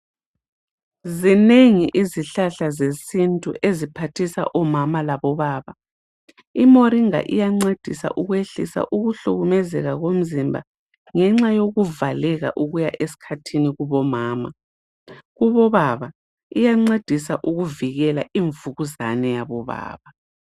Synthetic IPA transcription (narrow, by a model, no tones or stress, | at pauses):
zineŋiʔiziɬaɬazesintʼuʔezipʰatʰisa̰ʔɔmamalaβɔβaːβa | imoɾiŋa̰ʔḭjaŋ͡ǀed̥ʱisa̰ʔuɣweɬḭsa̰ʔuɣuɬuɣumɛzɛɣaɣom̩zimbʱa̰ | ŋɛŋ͡ǁajoɣuvalɛɣa̰ʔuɣujaʔesi̥kʰatʰiniɣuβɔmaːma | ɣuβɔβaβa | ijaŋ͡ǀed̥ʱisaʔuɣuviɣɛlaiɱvuɣuzanɛjaβɔβa̰ːβa